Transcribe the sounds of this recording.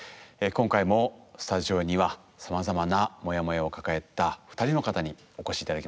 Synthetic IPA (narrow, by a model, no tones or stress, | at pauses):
ekõŋkaimo̞sɨ̥t̪aʑio̞ɲ̟iβa | samazamanamo̞jamo̞jao̞kakae̞t̪ːaɸɯ̟̥t̪aɾʲino̞kat̪aɲ̟i | o̞ko̞ɕiːt̪ad̪akʲima